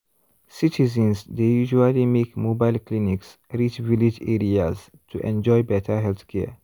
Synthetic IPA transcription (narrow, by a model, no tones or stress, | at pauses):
sitizə̃nsdejuʒualimekmoːbaɪlkliniks | ɾit͡ʃvilid͡ʒɛɾiaz | tʰuʔɛ̃nd͡ʒɔjbɛtʰəɦɛlθkʰɛ̰ː